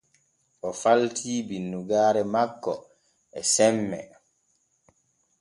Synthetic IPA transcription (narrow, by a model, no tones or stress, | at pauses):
ʔɔfaltʰiːbinːuɡaːɾɛmakːɔ | ʔɛsɛmːɛ